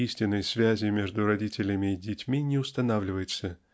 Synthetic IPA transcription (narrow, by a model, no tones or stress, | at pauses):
isʲtʲɪnːəjsvʲæzʲɪmʲeʐd̪ʊɾɐdʲitʲɪlʲɪmʲɪːdʲɪtʲmʲinʲɪʊst̪ɐnavlʲɪvəjɪt̪sə